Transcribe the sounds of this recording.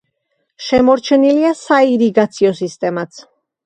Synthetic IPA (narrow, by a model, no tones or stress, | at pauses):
ʃɛmɔɾt͡ʃʰɛniliasaiɾiɡat̪sʰiɔsist̪ʼɛmat̪sʰ